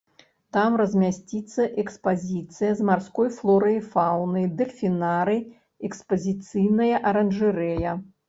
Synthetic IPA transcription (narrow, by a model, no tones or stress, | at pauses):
t̪amɾɐzʲmʲasʲt͡sʲit̪sːɐʔɛkspazʲit̪sɨjɐzmarskɔjflˠɔɾɐjfawnɨjd̪ɛlʲfʲinaɾɨ | ɛkspɐzʲit̪sɨjnɐjɐʔɐɾɐnʐɨɾɛjɐ